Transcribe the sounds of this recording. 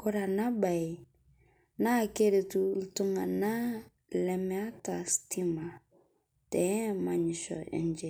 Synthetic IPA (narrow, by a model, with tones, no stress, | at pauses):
ko˦ɾa˨na˦ba˨i˨ | na˦˨ke˦ɾe˨tu˦ltu˦ŋa˨na˦ | lɛ˨mɛ˦a˦ta˨sti˦ma˨ | tɛ˨˦ma˨ɲɪ˨ʃɔ̰˨ɛ̰˨nd͡ʒe˨